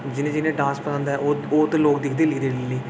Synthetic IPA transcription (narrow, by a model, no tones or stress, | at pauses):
d͡ʒɪnẽːd͡ʒɪnẽːɖãːspəɾãːnd̪aːɛooːt̪eloːkd̪ɪkʰd̪eːlɪkʰd̪eːlɪleː